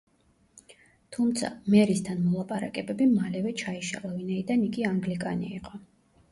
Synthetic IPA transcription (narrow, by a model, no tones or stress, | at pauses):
t̪ʰumt̪sʰa̰mɛɾist̪ʰanmɔlˠapʼaɾa̰kʼɛbɛbimalɛvɛt͡ʃʰaiʃa̰lˠavinaid̪aniɡiaŋɡlikʼanḭiqʼɔ